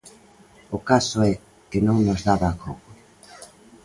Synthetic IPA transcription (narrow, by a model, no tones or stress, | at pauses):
okasʊɛ | kenõŋnozðaβakoɣo